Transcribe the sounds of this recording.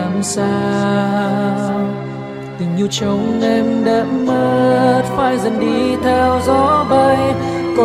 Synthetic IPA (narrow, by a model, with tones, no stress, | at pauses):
a˨˩msaː˧ | t̪ɨ˨˩ŋɲi˧wt͡ɕə˨˦wŋ͡mʔɛ˧mɗə˨˦mːə˧t̚faː˧jzə˨˩nɗi˧t̪ʰɛ˧wzɔ˨˧˦və˧jkɔ˧˩